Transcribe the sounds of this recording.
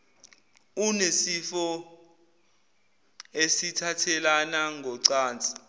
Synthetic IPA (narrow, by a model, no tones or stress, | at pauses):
unesifɔ | esitʰatʰɛlanaŋʱɔǀaːnt͡sʼi̥